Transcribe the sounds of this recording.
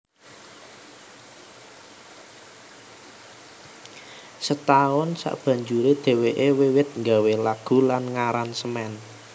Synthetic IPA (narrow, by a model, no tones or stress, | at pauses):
sət̪aʊnsa̰ʔb̥ä̤ɲd͡ʒuɾed̪̥e̤weʔewewɪt̪̚ŋɡawelaɡ̥ṳlanŋaɾansəmɛn